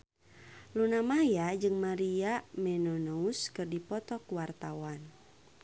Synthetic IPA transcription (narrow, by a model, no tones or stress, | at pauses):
lunamajad͡ʒɨŋmaɾiamɛnɔnɔuskɨrdipɔt̪ɔkuwart̪awan